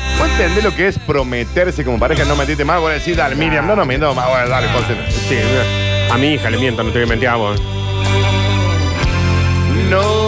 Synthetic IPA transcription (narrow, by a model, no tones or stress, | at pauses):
noent̪end̪elokeespɾomet̪eɾsekomopaɾexanomẽniet̪̬emalɣolaðesiɾðalemiɾjamnonomend̪omaoðalekosensi | amiixalemjent̪onot̪eβiament̪jaβo | no